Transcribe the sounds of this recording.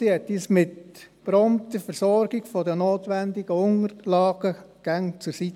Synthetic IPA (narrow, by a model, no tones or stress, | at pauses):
sihɛtiːsmɪtpɾɔmt̪əfəɾsɔɾɡ̥ɪɡ̥fɔdənoːtʋændɪɡ̥əʊŋəɾlɑːɡ̥əɡ̥æŋt͡sʊɾsit